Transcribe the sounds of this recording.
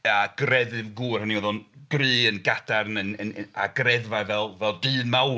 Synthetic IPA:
aɡ̥rɛðɨvɡuːr̥haniwəðɔnɡ̥rɨːənɡad̥arnənəa̰ɡrɛðvajvɛlˠvɛlˠdɨːnmaw

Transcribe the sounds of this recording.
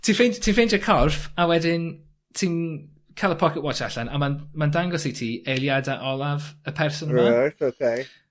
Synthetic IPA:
tʰiːnfentʰiːnfejnd͡ʒəkʰɔrfawɛdɪn | tʰiːn | kʰalˠəpʰɔkɪtwɔt͡ʃaɬanamanmandaŋɡɔsitʰiːejlˠjadaʔɔlˠavəpʰɛrsɔnɹaatokʰej

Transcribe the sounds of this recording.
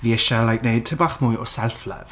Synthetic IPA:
viɛʃalajk̚nejd̚tʰəbaχmʊjɔsɛlˠflə̰v̥

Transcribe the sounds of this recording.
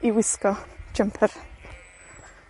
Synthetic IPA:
iwɪskɔd͡ʒəmpʰər

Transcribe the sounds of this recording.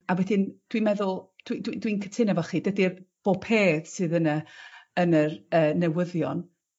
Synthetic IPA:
awɛdɪnd̥wimɛðʊlˠd̥widwidwinkʰətʰɪnɛvɔχiːdədirb̥oːpʰeːðsɨːðənəənərəːnɛwəðjɔn

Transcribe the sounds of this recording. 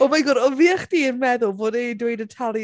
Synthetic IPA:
ɔmajɡʊɾɔviːaχd̥iːənmɛðʊlˠvoːdedwejdətʰalˠj

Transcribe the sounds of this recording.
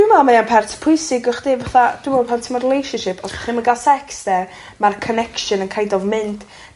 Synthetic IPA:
d̥ɪmalˠmajanpʰɛrtʰpʰʊjsɪɡʊχd̥iːvaθad̥umɔpʰantʰimɔrɪlˠejʃənʃɪpʰɔsbḁχimaɡalˠsɛksdɛ | markʰɔnɛkʃɨnənkʰajdɔvmɪnd̥

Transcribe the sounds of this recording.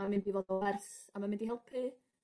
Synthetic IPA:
amɪ̃ndivoːdɔwɛrθamamɪndihɛlˠpʰrɨ

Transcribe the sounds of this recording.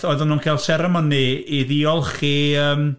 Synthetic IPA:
ɔɨðənuːnkʰaːlˠsɛɾɛmɔniːðiɔlˠχiːəːm

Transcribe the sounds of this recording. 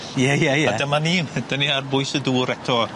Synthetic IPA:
jɛjajaadamanid̥əniarbʊɨsəduːɾɛtʰɔ

